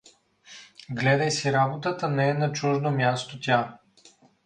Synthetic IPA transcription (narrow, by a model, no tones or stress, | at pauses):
ɡlɛd̪əjsiɾabot̪ət̪ənɛɛnɐt͡ʃuʒnomʲjast̪ot̪ʲa